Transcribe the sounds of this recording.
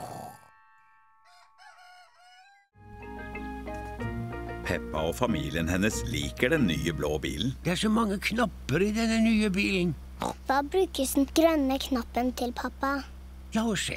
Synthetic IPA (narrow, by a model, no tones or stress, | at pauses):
pʰɛpːɑoːfɑmiːlɪənhɛnəslḭːkəɖɛnny̰ːəbloːbḭːln̩d̪̥ɛːæːʂomɑŋːəkʰnɑpəɾiːd̪ɛnənyːəbiːln̩ | ɔ̰pɑbɾʉːkəsn̩ɡɾœnəkʰnɑpːənt̪ʰɪlpʰɑpɑ | lɑːɔʂḛ